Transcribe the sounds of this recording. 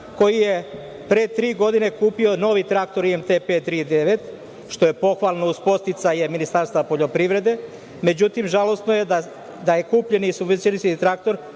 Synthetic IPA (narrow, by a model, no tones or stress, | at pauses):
ko̞jije̞ | pɾet̪ɾiːɡo̞d̪ine̞kuːpio̞no̞ʋit̪ɾak̚t̪o̞ɾiemt̪epet̪ɾid̪eʋet̪ | ʃt̪o̞je̞po̞xʋalˠnouspo̞st̪it̪saɲeminist̪aːɾst̪vapo̞ʎo̞pɾiʋɾe̞d̪e̞ | me̞d͡ʑut̪imʒalˠo̞snojea | d̪ajekuːpʎenisubʋesjeliskit̪ɾak̚t̪o̞ɾ